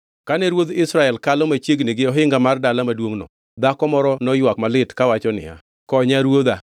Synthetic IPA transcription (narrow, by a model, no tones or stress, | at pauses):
kanɛɾwod̪ɪsɾaɛlkalɔmat͡ʃjeɡnɪɡɪɔɦɪŋɡamardalamadwoŋnɔ̰ | d̪akɔmɔɾɔnɔjwakmalɪtkawat͡ʃɔnɪ̰a̰ | kɔɲaɾwod̪a